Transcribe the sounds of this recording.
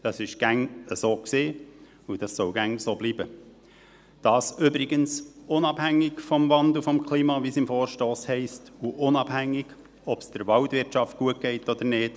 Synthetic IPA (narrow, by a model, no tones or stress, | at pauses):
d̥ɑsɪʃɡ̥æŋəsoːkseː | ud̥ɑsːɔwɡ̥æŋsoːbliːbə | d̥ɑːsʏbɾɪɡənsʊnɑb̥hæŋːɪɡfɔmvɑnd̪l̩ˠfɔmkʰliːmɑʋisɪmfɔːɾʃtoːshɛɪstuʔʊnɑb̥hæŋːɪɡ̥ | ɔpsd̥əɾʋɑltʋɪɾtʃɑft̚ɡ̥uət̚ɡ̥ɛɪtɔd̥̪əɾneːt